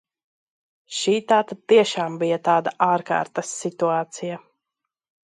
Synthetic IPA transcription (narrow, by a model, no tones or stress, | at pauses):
ʃiːt̪aːt̪at̪iɛʃaːmbijɐt̪aːd̪aʔaːɾka̰ːɾt̪ɐsːit̪uaːt̪sija